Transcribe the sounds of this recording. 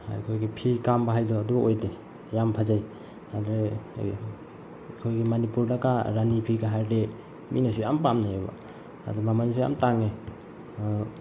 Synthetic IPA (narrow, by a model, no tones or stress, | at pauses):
a̰jkʰojɡipʰikambaɦajdɔadubojde | jampʰazaj | adɾe | kʰojɡimanipuɾdakaɾanipʰiɡaɦaɾde | mḭnas̬ujampamnaeba̰ | a̰dɔbamanisuja̰mtaŋe